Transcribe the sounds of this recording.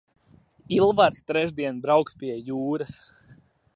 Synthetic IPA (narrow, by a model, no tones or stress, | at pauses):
ilˠvaɾst̪ɾɛʒd̪iɛnbɾawkspʲiɛjuːɾas